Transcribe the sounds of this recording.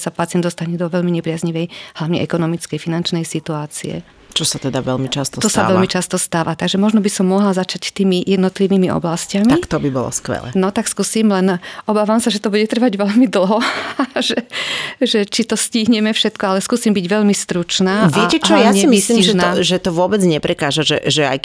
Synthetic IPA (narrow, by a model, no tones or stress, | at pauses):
sapatt͡sɪɛnd̪ɔst̪aɲɛd̪ɔʋɛʎmiɲɛpɾɪazɲiʋɛjhlaʊɲɛ̰ʔɛkɔnɔmit͡skɛjfinant͡ʃnɛjsit̪uaːt͡siɛ̰ | t͡ʃɔsat̪ɛd̪a̰ʋɛlmit͡ʃast̪ɔt̪ɔsaɛʎmit͡ʃast̪ɔst̪aːʋat̪aɡʒɛmɔʒnɔbisɔmːɔɦlazat͡ʃact̪iːmijɛd̪nɔt̪liʋiːmiʔɔ̰blascamikt̪ɔbibɔ̰lɔ̰skʋɛ̰lɛ̰nɔt̪akskuːsiːmlɛnʔɔbaːʋamsaʒɛt̪ɔbuɟɛt̪r̩ʋaɟʋɛʎmid̪l̩ˠɦɔʒɛʒɛt͡ʃit̪ɔsciɦɲɛmɛfʃɛt̪kɔalɛskuːsiːmbiɟʋɛʎmist̪ɾut͡ʃnaːʋɛcɛt͡ʃɔjaɲɛimisiiʒɛnaʒɛt̪ɔʋʊɔbɛd͡zɲɛpɾɛkaːʒaʒɛ̰ʒɛa̰j